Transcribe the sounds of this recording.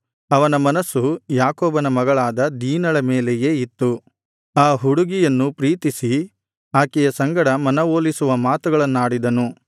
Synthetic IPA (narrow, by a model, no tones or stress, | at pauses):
ɐʋɐnɐmɐnɐsujaːkoːbɐnɐmɐɡɐɭaːd̪ɐd̪iːnɐɭɐmeːlɛjeːit̪ːu | aːɦuɽuɡijɐnːupɾiːt̪isi | aːkɛjɐsɐŋɡɐɽɐmɐnɐʋoːlisuʋɐmaːt̪uɡɐɭɐnːaːɽid̪ɐnu